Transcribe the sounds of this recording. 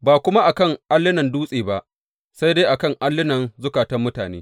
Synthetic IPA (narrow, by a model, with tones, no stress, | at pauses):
baː˨kʷʊ˦ma˦ʔa˨kɐ˦˨ŋʔa˦lːɪ˦nɐ˨nduː˦sʼeː˨ba˦ʔ | sa˦jdeː˦jʔa˨kɐ˦˨ŋʔa˦lːɪ˦nɐ˨nzʊ˦kaː˨tɐ˦mːʊ˦taː˨nḛː˦